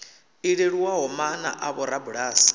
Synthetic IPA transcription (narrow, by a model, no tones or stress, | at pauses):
iɺeɺiwaɦɔmana̰ʔaβɔɾabuɺaːsi̥